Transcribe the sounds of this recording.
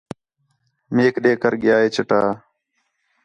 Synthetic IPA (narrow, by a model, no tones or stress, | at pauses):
meːkɗeːkəɾɡɪjaːeːt͡ʃəʈaː